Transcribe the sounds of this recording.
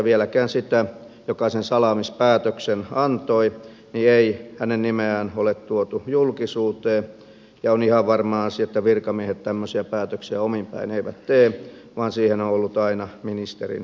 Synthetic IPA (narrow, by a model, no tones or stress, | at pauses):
ʋielækæːnsit̪æ | jokɑsensɑlɑmispæːt̪øksenɑnt̪oi | nieihænennimeæːnolet̪t̪uot̪ujulkisuːt̪eː | jɑonihɑʋʋɑrmɑːɑsiet̪ːæʋirkɑmiehet̪t̪æmːøsiæpæːt̪øksiæomimpæ̰ineiʋæt̪t̪eː | ʋɑːnsiːhenoolːut̪ɑinɑminist̪erḭn